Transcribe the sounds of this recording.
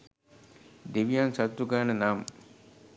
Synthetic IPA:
d̪iʋijaːnsɐt̪ɾukaːnɐnaːm

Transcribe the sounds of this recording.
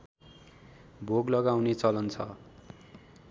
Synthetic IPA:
bʱoɡlʌɡawnet͡sʌlʌnt͡sʰʌ

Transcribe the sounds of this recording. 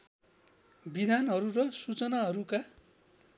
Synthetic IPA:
bid̪ʱanɦʌɾurʌsut͡sʌnaɦʌɾuka

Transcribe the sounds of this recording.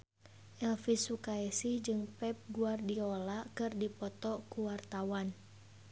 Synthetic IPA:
ʔɛlfisukaɛsid͡ʒɨŋpɛp̚ɡuardiɔlakɨrdipɔt̪ɔkuwart̪awan

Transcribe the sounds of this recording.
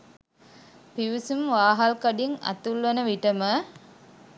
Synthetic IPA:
piʋisumʋaːɦalkɐɖiŋɐ̰t̪ulʋenəʋiʈəmə

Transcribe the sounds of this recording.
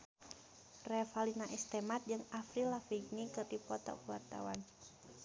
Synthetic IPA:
rɛfalinaʔist̪ɛmat̪̚d͡ʒɨŋafɾilafiɡnikɨrdipɔt̪ɔ̰kuwart̪a̰wan

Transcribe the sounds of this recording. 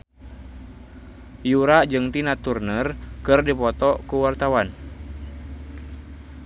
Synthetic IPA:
juɾad͡ʒɨŋt̪inat̪urnərkɨrdipɔt̪ɔkuwart̪awan

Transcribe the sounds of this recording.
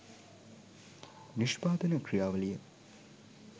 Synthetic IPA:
niʂbaːd̪ɐnɐkrijaːʋɐlijɐ

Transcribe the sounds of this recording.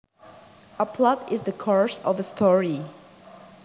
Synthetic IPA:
ʔəpʰlʌdɪzðəkʰɔɹsɔvəstʰɔɹi

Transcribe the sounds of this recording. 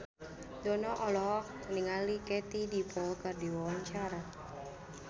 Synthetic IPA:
d̪ɔnɔʔɔlɔ | niŋalikɛt̪idipɔkardiwɔwaɲt͡ʃaɾa

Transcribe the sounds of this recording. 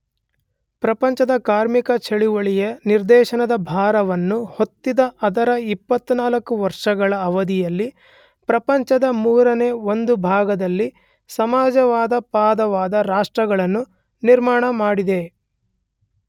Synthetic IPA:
pɾɐpɐɲt͡ʃɐd̪ɐkaːɾmikɐt͡ʃʰɐɭiʋɐɭijɐniɾd̪ɛːʃɐnɐd̪ɐbʱaːɾɐʋɐnːuho̞t̪ːid̪ɐʔɐd̪ɐɾɐipːɐt̪ːunaːlɐkːuʋɐɾʂɐɡɐɭɐːʋɐd̪ijɐlːi | pɾɐpɐɲt͡ʃɐd̪ɐmuːɾɐne̞ːond̪ubʱaːɡɐd̪ɐlːi | sɐmaːd͡ʒɐʋaːd̪ɐpaːd̪ɐʋaːd̪ɐɾaːʂʈɾɐɡɐɭɐnːu | niɾmaːɳɐmaːɽid̪e̞

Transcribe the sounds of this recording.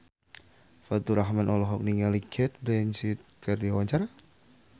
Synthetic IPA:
fat̪uɾaɦmanʔɔlɔɦɔk̚niŋalikʰɛt̪̚blɛnsit̪̚kərdiawaɲt͡ʃaɾa

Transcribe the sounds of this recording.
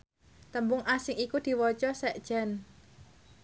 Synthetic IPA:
t̪əmbʊŋʔasɪŋikud̪̥i̤wɔt͡ʃɔsɛʔd̥ʒ̥ɛ̤n

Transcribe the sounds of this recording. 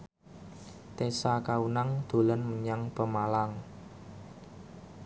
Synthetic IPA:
t̪esakaunaŋd̪̥o̤lənməɲaŋpəmalaŋ

